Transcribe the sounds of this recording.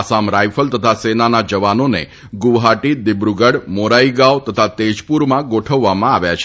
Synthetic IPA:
asamɾajfəlt̪ət̪ʰasenanad͡ʒəʋanonḛ | ɡuʋɦaʈid̪ɪbɾuɡəɽmoɾaiɡaʋt̪ət̪ʰat̪ed͡ʒpuɾmãɡoʈʰəʋːamãaʋjat͡ʃʰ

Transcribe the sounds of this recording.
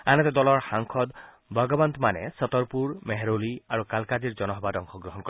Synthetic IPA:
anɔt̪ɔd̪ɔlɔɾxaŋkʰɔd̪ | bʱɔɡɔbant̪manḛsɔt̪ɔɾpuɾmeɦeɾoliaɾukalkad͡ʒiɾd͡ʒɔnɔɦɔbadɔŋkʰɔɡɾɔɦɔnkɔ

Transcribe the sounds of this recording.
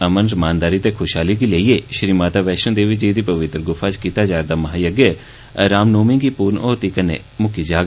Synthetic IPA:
əmənɾmaːnd̪aːɾit̪ekʰoːʃɦaːlikiːləieːʃɾiːmaːt̪aːʋɛːʃə̃nd̪eːʋiːd͡ʒiːd̪iːpəʋɪt̪ɾəɡʊpʰaːt͡ʃkiːt̪aːd͡ʒaːɾd̪aːmɐɦaːjəɡə | ɾaːmnoːmɪ̃ŋɡipuːɾnoːt̪iːkənḛ | mʊkid͡ʒaːɡ

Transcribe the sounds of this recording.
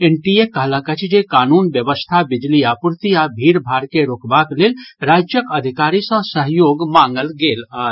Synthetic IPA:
enʈiekəɦlãkət͡ʃʰd͡ʒekaːnuːnbjəʋəst̪ʰabɪd͡ʒliaːpuɾt̪iaːbʱiːɾbʱaːɾkeɾokbakleːlɾaːd͡ʒjəkəd̪ʱikaːɾisə̃səɦjoːɡmãːŋɡəlɡeːla

